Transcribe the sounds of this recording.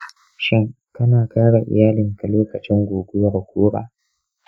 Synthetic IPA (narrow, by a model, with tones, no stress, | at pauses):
ʃɪ˦ŋ | kɐ˦naː˨kaː˦ɽa˨ʔɪ̰˨jaː˦lɪ˨ŋka˨loː˦kɐ˨t͡ʃɪ˦ŋɡʷoː˨ɡʷʊ˦jɐ˨ɽkʷʰuː˦ɾa̰ː˨